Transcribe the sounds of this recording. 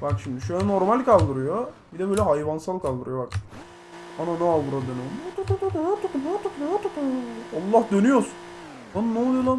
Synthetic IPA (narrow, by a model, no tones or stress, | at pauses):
bakʃimd̪iʃøjɛnoɾmalʲkʰalˠd̪ɯɾɯjobid̪ɛbøːlʲɛhajvansalˠkalˠd̪ɯɾɯjo̞bak | ananɛavɯɾad̪ønyonat̪at̪at̪at̪at̪akɯmat̪aknat̪akalˠːahd̪ø̞nyjosun | annɛolˠujlˠam